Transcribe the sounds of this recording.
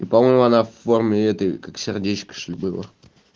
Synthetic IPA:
ipamojmʊanafːormʲɪɛt̪əjkaksʲɪrdʲet͡ɕkə̥ʂlʲbɨlˠə̰

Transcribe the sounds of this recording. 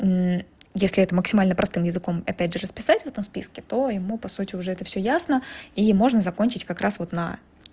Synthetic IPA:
jesʲlʲɪɛt̪əməksʲɪmalʲnəpɾʔɐst̪ɨmjɪzɨko̞mɐpʲædʲʐɨɾəspʲɪsatʲvɛt̪əmspʲiskʲɪt̪o̞jɪmupɐsutʲɪʊʐɛɛt̪əfsʲɵjasnəimo̞ʐnəzɐko̞nʲt͡ɕɪtʲkɐkɾʔasvo̞t̪nɐ̰

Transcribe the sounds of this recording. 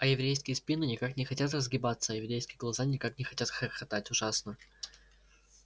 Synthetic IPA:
ɐjɪvɾʲejskʲɪjəspʲinɨnʲɪkaknʲɪxɐtʲat̪̬rəzɡʲɪbat̪səːjɪvɾʲejskʲɪjəɡlˠɐzanʲɪkaknʲɪxɐtʲat̪xəɾxɐt̪atʲʊʐasnə

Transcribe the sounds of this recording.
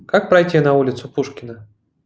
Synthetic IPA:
kak̚pɾɐjtʲinɐulʲɪt̪sʊpuʂkʲɪnə

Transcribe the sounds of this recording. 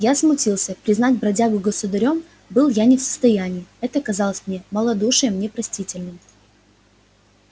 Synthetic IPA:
jasmʊtʲilˠsʲəpɾʲɪznatʲbɾɐdʲaɡʊɡəsʊd̪ɐɾʲo̞m | bɨlˠjanʲɪfsə̥st̪ɐjænʲɪːɛt̪əɐkɐzɑlˠəsʲmnʲeməlˠɐd̪uʂɨjəmnʲɛpɾɐsʲtʲitʲɪlʲnɨm

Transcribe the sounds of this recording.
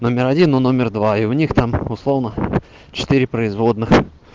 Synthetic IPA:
no̞mʲɪɾɐdʲinːono̞mʲɪrd̪vaɪʊnʲixt̪amʊslˠo̞vnə | t͡ɕɪ̥t̪ɨɾʲɪpɾəɪzvo̞d̪nɨx

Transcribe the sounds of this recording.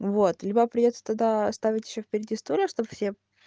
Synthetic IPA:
vot̪lʲibəpɾʲɪdʲo̞t̪sə̥t̪aɡ̚d̪aɐst̪avʲɪtʲjɪɕːofpʲɪɾʲɪdʲist̪olʲəʂt̪obfsʲe

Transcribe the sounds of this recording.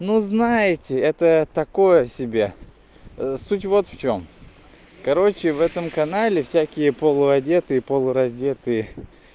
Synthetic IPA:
nuznajɪtʲɪɛt̪ət̪ɐko̞jəsʲɪbʲe | sutʲvo̞t̪ft͡ɕo̞m | kɐɾo̞t͡ɕɪvɛt̪əmkɐnalʲɪfsʲækʲɪjəpolˠʊɐdʲe̞t̪ɨjəpolˠʊɾɐzʲdʲe̞t̪ɨjə

